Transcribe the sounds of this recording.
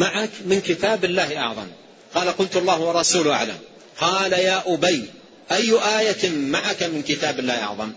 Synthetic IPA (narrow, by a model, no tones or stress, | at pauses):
maʕakmɪnkɪt̪aːbɪlːaːhɪʔɑ̰ʕðˤɑ̰m | qɑːlaqʊlt̪ɑlˤːɑːhwɑrˤːɑsuːlʔa̰ʕla̰m | qɑːlajaːʔʊbaj | ʔajːʊʔaːjamaʕakamɪnkɪt̪aːbɪlːaːhʔɑ̰ʕðˤɑm